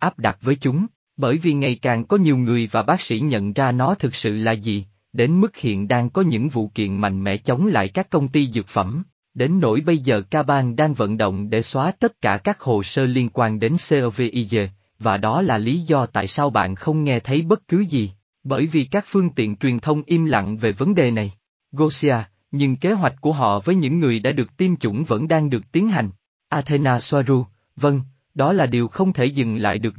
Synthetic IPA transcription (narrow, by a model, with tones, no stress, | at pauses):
ʔaː˦˥p̚ɗa˨˩t̚vəː˨˦jt͡ɕʊ˨˦ŋ͡m | ɓəː˧˩jvi˨˩ŋa˨˩jkaː˨˩ŋkɔ˨˦ɲi˨˩wŋɨ˨˩əjvaː˨˩ɓaː˦˥k̚sḭ˧˥ɲə̰˧˨nzaː˧nɔ˨˦t̪ʰɨ˨˩k̚sɨ̰˧˨laː˨˩zi˨˩ | ɗe˨˦nmɨ˦˥k̚hḭ˧˨ənɗaː˧ŋkɔ˨˦ɲɨ̰˧˥ŋvṵ˧˨kḭ˧˨ənma̰˧˨jŋ̟mɛ̰˧˥t͡ɕə˨˦wŋ͡mla̰ː˧˨jkaː˦˥kːə˧wŋ͡mt̪i˧zɨ˨˩t̚fə˧˩m | ɗe˨˦nːo̰˧˩jɓə˧jzəː˨˩kaː˧ɓaː˧nɗaː˧ŋvə̰˧˨nɗo̰˧˨wŋ͡mɗe˧˩swaː˨˦t̪ə˦˥t̚kaː˧˩kaː˦˥k̚ho˨˩səː˧li˧ənkwaː˧nɗe˨˦nse˧ʔve˧ʔi˧ze˧ | vaː˨˩ɗɔ˨˦laː˨˩li˨˦zɔ˧t̪a̰ː˧˨jsaː˧wɓa̰ː˧˨nxə˧wŋ͡mŋɛ˧t̪ʰə˨˦jɓə˦˥t̚kɨ˨˦zi˨˩ | ɓəː˧˩jvi˨˩kaː˦˥k̚fɨ˧əŋt̪ḭ˧˨ənt͡ɕwi˨˩ənt̪ʰə˧wŋ͡mʔi˧mla̰˧˨ŋve˨˩və˨˦nɗe˨˩na˨˩j | ɣo˧si˧aː˧ | ɲɨ˧ŋke˨˦ɦwa˨˩jk̟̚ku˧˩əɦɔ̰˧˨vəː˨˦jɲɨ̰˧˥ŋːɨ˨˩əjɗa̰ː˧˥ɗɨ˨˩ək̚t̪i˧mt͡ɕʊ̰˧˩nvə̰˧˥nɗaː˧ŋɗɨ˨˩ək̚t̪i˨˦ənɦa˨˩jŋ̟ | ʔaː˧t̪ʰe˧naː˧swaː˧zu˧ | və˧ŋ | ɗɔ˨˦laː˨˩ɗi˨˩əwxə˧wŋ͡mt̪ʰe˧˩zɨ̰˨˧˨ŋla̰ː˧˨jɗɨ˨˩ək̚